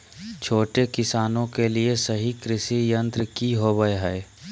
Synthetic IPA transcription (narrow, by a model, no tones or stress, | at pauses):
t͡ʃʰoːʈekɪsaːnõkeliesɐɦikɾɪʃijə̃nt̪ɾəkiɦoːbəeɦɛː